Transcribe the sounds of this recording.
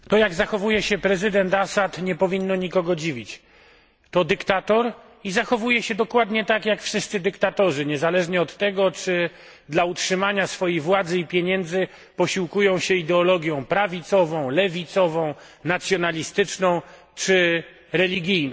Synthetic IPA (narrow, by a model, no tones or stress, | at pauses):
t̪ɔjaɡzaxɔvujɛɕɛpɾɛzɘd̪ɛnt̪asat̪ɲɛpɔvʲinːɔɲikɔɡɔd͡ʑivʲit͡ɕ | t̪ɔd̪ɘkt̪at̪ɔɾ | izaxɔvujɛɕɛd̪ɔkwad̪ɲɛt̪akjakfʂɘst̪sɘd̪ɘkt̪at̪ɔʐɘɲɛzalɛʐɲɛɔt̪ːɛɡɔt͡ʂɘ | d̪lautʂɘmaɲasfɔjijvwad̪zɘipʲjeɲɛnd̪zɘ | pɔɕiwkujɔ̃w̃ɕɛid̪ɛɔlɔɡʲjɔ̃w̃pɾavʲit̪sɔvɔ̃w̃lɛvʲit̪sɔvɔ̃w̃ | nat̪sʲjɔnalʲist̪ɘt͡ʂnɔ̃w̃ | t͡ʂɘ | ɾɛlʲiɡʲijn